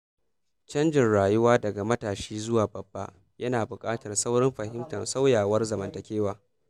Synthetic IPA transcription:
t͡ʃɐ˦nd͡ʒɪ˨nɽaː˨jʊ˦waː˦dɐ˨ɡa˨mɐ˦taː˨ʃiː˦zʊ˦waː˨bɐ˨b̥ːa̰˦ | jɐ˦naː˨bʊ˨kʼaː˦tɐ˨rsɐ˦wɽɪ˦mɸɐ˨ɦɪ˦mtɐ˨nsa˦wjaː˨wɐ˦rzɐ˨mɐ˨ntɐ˨kʲeː˦waː˨

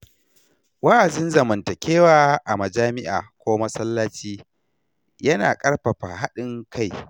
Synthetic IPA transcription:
wɐ˦ʔa˨d͡ʒɪ˦nzɐ˨mɐ˨ntɐ˨kʲʰeː˦waː˨ʔa˨mɐ˨d͡ʒaː˦mɪ˦ʔa̰ː˨kʷoː˦mɐ˦sɐ˦lːaː˦t͡ʃiː˦ | jɐ˦naː˨kʼɐ˦ɽɸɐ˨ɸaː˨ɦa˦ɗɪ˦ŋkʰa˦˨j

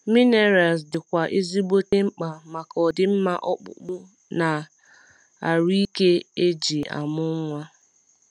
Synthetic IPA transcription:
mi˦ne˨ɾa˨lsdɪ˨kʷa˨ʔe˦zi˦bo˦te˦ŋ͡m̩˦k͡pa˨ma˨kɔ˨dɪ˦m̩˦ma˦ʔɔ˦k͡pʊ̰˦k͡pʊ˦ | na˨ | a˨ɾi˦i˦ke˦e˦d͡ʒi˨a̰˨mʊ˦ŋʷa˦

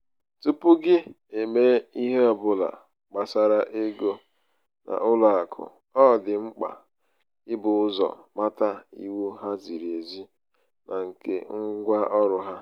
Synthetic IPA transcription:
tu˦pʊ˦ɡɪ˦ | e˨me˦i˦ɦe˦ɔ˨bʊ˨la̰˨ | k͡pa˨sa˨ɾa˦ʔe˦ɡo˦ | nʔa̰˨ʔʊ˦la˨a˨kʰʊ̰˨ | ɔ˦˨dɪ˨ŋ͡m̩˦k͡pa̰˨ | ɪ˦bʊ˨ʊ˦zɔ̰˨ma˦ta˦ḭ˦wu˦ɦa˦zi˨ɾe˨zi˦ | nʔa˨ŋ̩˨kḛ˦ŋ̩˦ɡʷa˦ʔɔ˦ɾʊ˨ɦa˦

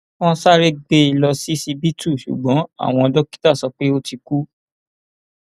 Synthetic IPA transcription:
wɔ̃˦sa˦ɾe˦ɡ͡be˧i˧lɔ˧si˦si˧bi˦tu˦˨ʃṵ˨ɡ͡bɔ̃˨˦a̰˦˨w̃ɔ̃˧ɔ˧dɔ˦ki̥˦ta˦˨sɔ˧k͡pe˦o˦ti˧ku˦

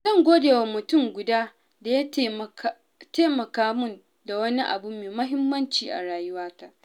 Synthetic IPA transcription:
zɐ˦˨ŋɡʷoː˦deː˨wa˨mʊ˨tʊ˦˨ŋɡʷʊ˨daː˦ | da˨ja˦ | teː˦mɐ˨kaː˦mʊ˦˨n | da˨wɐ˦ni˦ʔa̰˨bu˦meː˨mɐ˦ɦɪ˦mːɐ˦nt͡ʃiː˨ʔa̰˨ɽaː˨jʊ˦waː˦ka˨ʔ

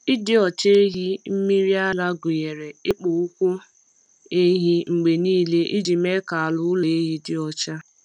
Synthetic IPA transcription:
ɪ˦dɪ˦ɔ˨t͡ʃe˦ɦi˦m̩˦mi˦ɾi˦a˦la˦ɡʊ˨je˨ɾe˨ɪ˦k͡pʊ˨u˦kʷu˦ | e˦ɦi˦ŋ͡m̩˨ɡ͡be˨niː˦le˦ʔi˦d͡ʒi˨me˦ka˨a˨lʊ˨˦le˨e˦ɦi˦dɪ˦ɔ˨t͡ʃa˦

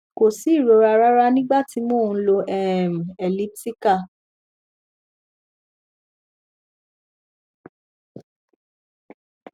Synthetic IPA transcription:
ko˨si˨˦˨ɾo˨˧˦ɾa˧ɾa˦ɾa˦nĩ˦ɡ͡ba˦˨ti˧mõ˦˨˧lo˧ʔɛ˦˨m˨ɛ˨li˦pti˦ka˦˨

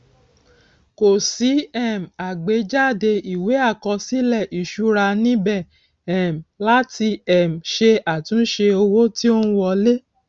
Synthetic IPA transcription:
ko˨si˨˦ɛ˦˨m̩a˨ɡ͡be˨˦d͡ʒa˦˨de˧i˨we˨˦a˦˨kɔ̃˧si˨˦lɛ˦˨ʔi˨ʃu˧ɾa˧nĩ˦bɛ˦˨ | ɛ˨m˨la˨˦ti˧ɛ˨m̩˨ʃe˧a˨tũ˨˦ʃe˧o˧wo˦ti˦o˦nũ˦wɔ˧le˦

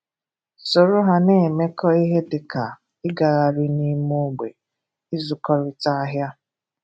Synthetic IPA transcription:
so˨ɾʊ˦ɦa˦ne˨me˦kɔ˦i˦ɦe˦dɪ˨ka˨ | ɪ˦ɡa˨ɣa˨ɾi˦ni˦mu˦ɡ͡be˨ | ɪ˦zʊ˨kɔ˦ɾɪ˦ta˦ɦja˦

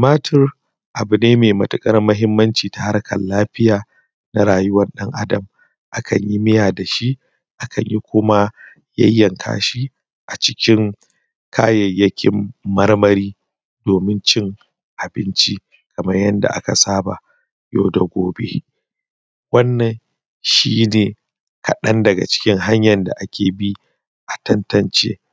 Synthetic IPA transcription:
maː˦tʰɪ˦r | ʔa˨bu˨neː˦meː˨mɐ˨tʊ˨kʼɐ˦rmɐ˦ɦɪ˦mːɐ˦nt͡ʃiː˨ta˨ha˦rkʰɐ̰˨nlaː˦ɸɪ˦jaː˨ | na˦ɾaː˨jʊ˦wɐ˦nɗɐ˦ŋʔa˦dɐ˨m | ʔa˦kʰɐ˨ɲji˦mɪ˦jaː˨da˨ʃi˦ | ʔa˦kʰɐ˨ɲji˦kʷʰʊ˦ma˦ | jɐ̰˦jːɐ˨ŋkʰa̰ː˦ʃi˦ | ʔa˨t͡ʃɪ˦kʲɪ˦ŋ | kʰaː˦jɐ˨jːɐ˦kʲʰɪ˦mːɐ˦rmɐ˦ɾiː˦ | doː˨mɪ˦nt͡ʃɪ˦ŋ | ʔa˨bɪ˦nt͡ʃi˦ | kʰɐ˨mɐ˦rjɐ˦nda̰˨ʔa̰˦ka̰˨saː˦ba̰˨ | jo̰ː˦dɐ˨ɡʷoː˨bḛ˦ | wɐ˦nːɐ˨n | ʃiː˦neː˨ | ka˨ɗɐ˦ndɐ˨ɡa̰˨t͡ʃɪ̥˦kʲɪ˦ŋɦa˦ɲjɐ˨nda̰˨ʔa˦kʲʰeː˨bi˦ | ʔa˨tɐ˦ntɐ˨nt͡ʃḛː˦

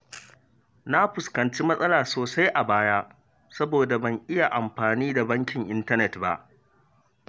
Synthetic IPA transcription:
na˦ɸʊ˨skɐ˨nt͡ʃi˦mɐ˦sʼɐ˦laː˨soː˨sa˦jʔa˨baː˦ja˦ | sɐ˦boː˨da˨bɐ˦ŋʔɪ˦ja˨ʔa˨mɸaː˨niː˦da˨bɐ˦ŋkʲɪ˨ŋʔɪ˦ntɐ˦nɛ˨tba̰˦ʔ

